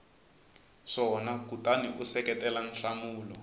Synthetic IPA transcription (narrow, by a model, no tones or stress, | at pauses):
ʂɔnakutʼaniʔusɛkɛtɛlan̩ɬamuːlɔ